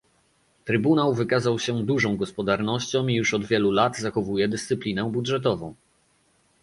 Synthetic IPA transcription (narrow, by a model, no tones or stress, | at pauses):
t̪ɾɘbunawvɘkazawɕɛd̪uʐɔ̃w̃ɡɔspɔd̪aɾnɔɕt͡ɕɔ̃w̃ijuʂɔd̪vʲjɛlulad̪zaxɔvujɛd̪ɘst̪sɘplʲinɛbudʐɛt̪̬ɔvɔ̃w̃